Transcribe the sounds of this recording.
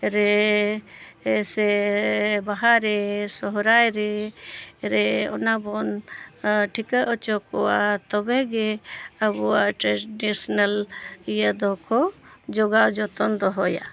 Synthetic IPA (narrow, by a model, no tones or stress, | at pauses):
ɾɛ | sɛ | baɦaɾesɔɦɾajɾɛ | ɾeɔ̰nabɔn | ʈʰikəʔɔt͡ʃɔkɔwat̪ɔbɛɡeabuaʈɾeɖisnalijad̪ɔkʰɔd͡ʒɔɡawd͡ʒɔt̪ɔnd̪ɔɦɔja̰